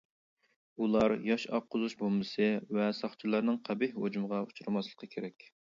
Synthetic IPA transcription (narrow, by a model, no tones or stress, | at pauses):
ulˠɑɾjɑʃɑ̰qʰːʊzuʃbolˠmɨsɨvɛsɑχt͡ʃʰɨlˠɑɾnɨŋqʰæbɪhhod͡ʒumʁɑu̥t͡ʃʰuɾɨmɑslˠə̥qʰəkʲʰeɾɛkʲ